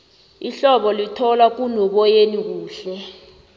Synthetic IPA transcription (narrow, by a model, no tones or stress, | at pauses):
iɬɔɓɔlitʰɔlwak̬unɔɓɔjenik̬uːɬɛ